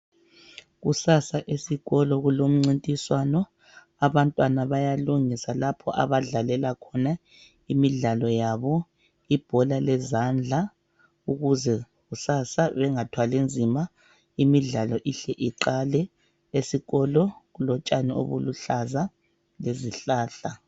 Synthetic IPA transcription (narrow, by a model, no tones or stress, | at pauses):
ɣusasaʔesiɣɔlɔɣulom̩ŋ͡ǀintʼiswanɔ | aβantʼwanaβajaluŋisalapʰɔʔa̰βaɮalɛlakʰɔna | imiɮalɔjaβɔ | ib̥ʱɔlalɛzand͡ɮʱa | uɣuzɛ | ɣusasaβɛŋatʰwalend͡zʱima | imiɮalɔʔiɬɛʔiǃalɛ | esiɣɔlɔɣulɔt͡ʃʼanio̰βuluɬaza | leziɬaːɬa